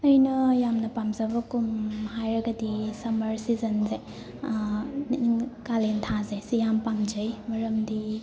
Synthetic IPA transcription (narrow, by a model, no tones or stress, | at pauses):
ɐjnɐjamnɐpamzɐbɐkumhajɾɐɡɐdisɐmɐɾsizɐnze | niiŋkalentʰazesijampamd͡ʒɐjmɐɾɐmdi